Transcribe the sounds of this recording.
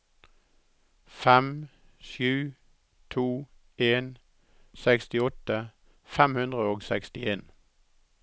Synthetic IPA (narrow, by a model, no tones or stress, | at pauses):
fɛm | ʃʉː | t̪ʰuː | eːn | sækst̪ɪɔt̪ə | fɛmhʉnd̪ʁəoːɡsækst̪ɪeːn